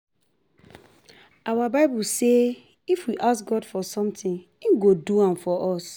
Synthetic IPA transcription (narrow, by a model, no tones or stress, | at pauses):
awabaɪbulse | ifwiʔasɡɔdfɔsɔ̃mtĩn | ĩnɡoduãmfɔʔɔs